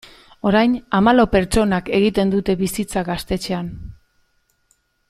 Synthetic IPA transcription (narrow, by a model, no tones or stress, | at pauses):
o̞ɾajnamalope̞ɾt͡ʃo̞nake̞ɣit̪e̞nd̪ut̪e̞βisit͡saɣast̪e̞t͡ʃe̞an